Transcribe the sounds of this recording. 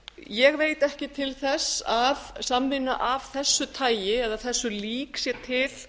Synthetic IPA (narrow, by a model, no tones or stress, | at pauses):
jɛɣveːjt̪ɛhcɪt̪ʰɪlθɛsaðsamvɪnːa̰ʔavθɛsːʏt̪ʰaːjjɪɛðaθɛsːʏliːksjɛt̪ʰɪl̥